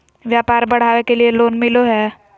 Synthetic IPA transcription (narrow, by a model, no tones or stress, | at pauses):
ʋjaːpaːɾbɐɽ̤aːʋekelieloːnmɪloɦɛː